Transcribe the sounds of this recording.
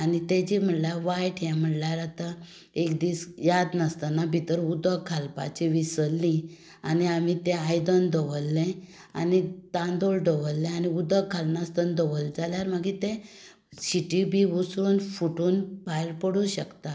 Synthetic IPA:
anit̪ẽd͡ʑim̤əʈljaʋajʈʰjɛ̃m̤əɽljaɾat̪a | ekd̪iːsjad̪nəst̪anabʱit̪əɾud̪əkʰalpa̰t͡ɕiʋisəlːĩ | aniamit̪ɛ̃ajd̪ənd̪əʋəlːɛ̃ | anit̪ãnd̪oɭɖəʋəlːɛ̃aniud̪əkʰːalnast̪ənd̪əʋəld͡zaljaɾməɡit̪ẽ | ɕiʈibʱiʋusuːnfuʈuːnbajɾpəɽũɕəkt̪a

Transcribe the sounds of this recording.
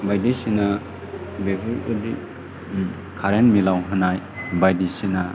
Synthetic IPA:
bajdisina | bebɯudi | kʰaɾenmilawɦɯnaj | bajdisina

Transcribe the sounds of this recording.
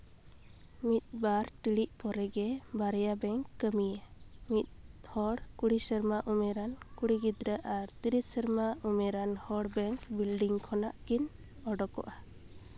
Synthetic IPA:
mit̪̚baɾʈiɽiʔ̚pɔɾɛɡɛbaɾɛjabɛŋkːəmijəmit̪̚hɔɽkuɽisəɾmaʔumɛɾankuɽiɡid̪ɾəʔaɾt̪iɾisəɾmaumɛɾanhɔɽbɛŋkbilɖiŋkʰɔnaʔkin | ɔɖɔkɔ̰ʔa

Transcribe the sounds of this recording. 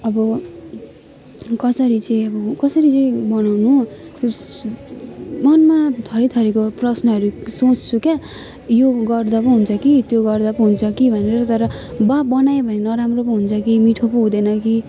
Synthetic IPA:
ʌbʌ | kʌsʌɾit͡sʌĩʌbʌkʌsʌɾit͡sʌĩbʌnawnu | mʌnmat̪ʰʌɾit̪ʰʌɾikoprʌsnʌʌɾusot͡sʰt͡sʰuka | joɡʌrd̪ʌpʌɦunt͡sʰʌkit̪joɡʌrd̪ʌpũɦunt͡sʰʌkibʱʌneɾʌt̪ʌɾʌ | babʌnaebʱʌnenʌɾamropʌɦunt͡sʰʌkimiʈʰopuɦũd̪enʌki

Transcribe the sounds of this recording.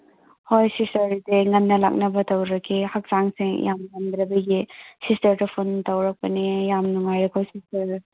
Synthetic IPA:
hojsistɐɾdeŋɐnːɐla̰k̚nɐbɐtʰɐwɾɐkʰihak̚saŋseŋjamŋand̪ɾɐbɐɡisistɐɾdɐpʰuntawɾɐk̚pɐnijamnuŋajɾɐkʰojsistɐɾ

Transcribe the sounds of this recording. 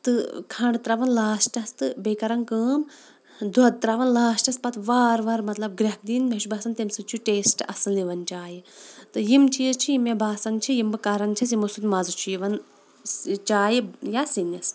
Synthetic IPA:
t̪ɨkʰɐɳɖɨt̪ɾaʋɐnlaːsʈɐst̪ɨbekɐɾɐŋkɨːm | d̪ʱɔd̪̚t̪ɾaʋɐnlaːsʈɐspɐt̪ʋaːɾʋaɾmɐt̪lɐb̚ɡɾʲɐk̚d̪inmeʃbaːsɐnt̪emsɨt͡ʃʰuʈeːsʈɐ̰sɨnliʋɐnt͡ʃaːjit̪ɨjimt͡ʃʰizt͡ʃʰijimebaːsɐŋt͡ʃʰijimbɨkɐɾɐŋɡt͡ʃʰɐs̬jimosut̪mɐzɨt͡ʃʰujiʋɐn | t͡ʃaːjijasinɐs

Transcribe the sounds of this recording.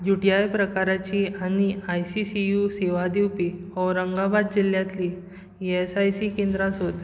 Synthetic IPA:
juʈiajpɾəkaɾat͡ɕiañiajsisijuseʋad̪iwpiɔɾəŋɡabad̪̚d͡ʑil̤jãt̪li | esajsikẽnd̪ɾãsɦot̪

